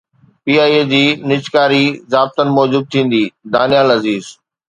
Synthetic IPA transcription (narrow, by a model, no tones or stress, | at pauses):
piːaːied͡ʑiːnɪt͡ɕkaːɾizaːb̚t̪ənɪ̆mɔːd͡ʑuːb̪̚t̪ʰĩːn̆d̪iːd̪aːnijaːlɐziːz